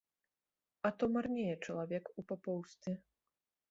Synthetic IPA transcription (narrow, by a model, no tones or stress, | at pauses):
ɐt̪ɔmarnʲɛjɛt͡ʂɐlˠavʲɛkupapɔwst̪ʲɛ